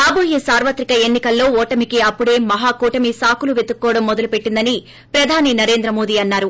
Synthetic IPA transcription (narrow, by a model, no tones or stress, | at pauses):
ɐːboːɦisaːɾʋɐt̪ɾikɐenːikɐlːo̞ːɔːʈɐmikiɐpːuɽe̞ːmɐɦaːkuːʈɐmisaːkuluʋed̪ukːɔːɽɐmːɔd̪ɐlupe̞ʈːind̪ɐni | pɾɐd̪ʱaːninɐɾe̞ːnd̪ɾɐmo̞ːd̪iːɐnːaːɾu